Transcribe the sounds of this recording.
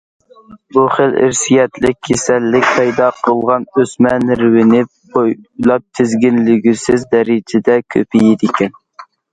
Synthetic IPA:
buχəlɪ̰ɾsijɛt̪lɪkʲʰːesɛlːɪk̚ʲpʰɑjd̪ɑqʰəlˠʁɑnøsmɛnɾwɪnɪ | ojlˠɑp̚t̪ʰɪzɡʲɪnlɪɡʲysɪzd̪ɛɾɪd͡ʒʰɪd̪ɛkʲʰø̰pʰɪjɪd̪ɪkʲɛn

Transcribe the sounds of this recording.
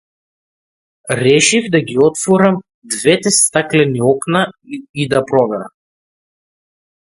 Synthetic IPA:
ɾɛʃivd̪aɡʲiɔt̪fɔɾam | d̪vɛt̪ɛst̪aklɛniɔknaid̪apɾɔbɛɾa̰m

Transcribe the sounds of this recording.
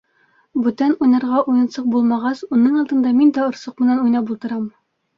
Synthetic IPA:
bʉt̪ænujnɑɾʁɑʔujɤ̆nsɤq̚bulˠmɑʁɑsunɤɴɒlˠd̪ɤ̆nd̪ɑmind̪æŏɾsɤqmɘ̆nænujnɑpulˠt̪ɤ̆ɾɑm

